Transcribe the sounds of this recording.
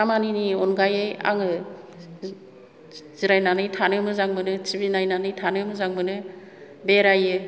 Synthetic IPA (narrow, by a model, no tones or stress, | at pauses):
amaniniɔnɡajeja̰ŋɯ | ziɾajnanɯjtʰanɯmɯzaŋbɯnɯt͡ʃibinajnanɯjtʰanɯmɯzaŋbɯnɯ | beɾajɯ